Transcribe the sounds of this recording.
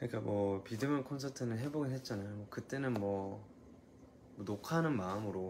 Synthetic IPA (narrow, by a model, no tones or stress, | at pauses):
kkɯɲik͈amwʌpidɯmjʌnkʰonsʰatʰɯnɯnɦe̞boɡinɦe̞t̚t͡ɕ͈anajomwʌkɯt͈e̞nɯnmwʌ | mʌnokʰanɯnmaɯmɯɾo